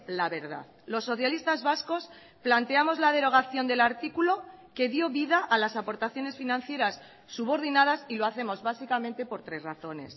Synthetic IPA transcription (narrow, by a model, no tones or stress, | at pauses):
laβe̞ɾða̰ð | lo̞sːo̞θjalist̪azβasko̞s | plant̪eamo̞zlað̞e̞ɾo̞ɣ̞aθjo̞nd̪elaɾt̪ikulo̞ke̞ðjo̞βiðaʔalasapo̞ɾt̪aθjo̞ne̞sfinãn̟θje̞ɾasː | uβo̞ɾðinað̞asilo̞aθe̞mo̞zβasikamẽnt̪e̞po̞ɾt̪ɾe̞zraθo̞ne̞̰s